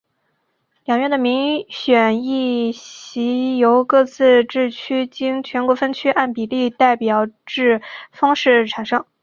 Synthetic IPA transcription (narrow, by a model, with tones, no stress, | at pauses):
ljɑ˨˩ŋɥɛ˥˩nd̪ə˩mi˧˥ŋɕɥɛ˨˩ni˥˩ɕi˧˥jo˧˥ʊkɤ˥˧t͡sʰɹ̩˥˧ʈ͡ʂɻ̩˥˩t͡ɕʰy˥t͡ɕi˥ŋt͡ɕʰɥɛ˧˥nkwɔ˧˥fə˥nt͡ɕʰy˥a˥˩npi˨˩li˥˧t̪a˥˩ɪpjɑ˨˩ʊʈ͡ʂɻ̩˥˩fɑ˥ŋʂɻ̩˥˩ʈ͡ʂʰa˨˩nʂɤ˥ŋ